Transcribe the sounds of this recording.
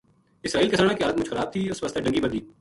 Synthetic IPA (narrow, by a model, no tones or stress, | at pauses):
ɪsɾaːiːlkɪsaːɽ̃ãkiɦaːlət̪̚mʊd͡ʒxɐɾaːb̚t̪ʰiʊsʋɐst̪aɖɐ̃ŋɡibəd̪iː